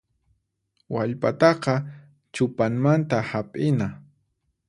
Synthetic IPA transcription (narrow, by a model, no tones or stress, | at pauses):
waʎpat̪ɑqɑ | t͡ʃʊpaŋmant̪ahapʼɪna